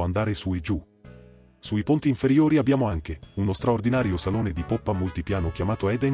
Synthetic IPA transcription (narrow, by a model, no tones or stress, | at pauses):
and̪aːɾesued͡ʒu | suipont̪iːɱfeɾjoːɾiabjaːmoaŋk̟eunost̪ɾaord̪inaːɾjosaloːned̪ipopːamolt̪ipjaːnokʲjamaːt̪oɛd̪ɛn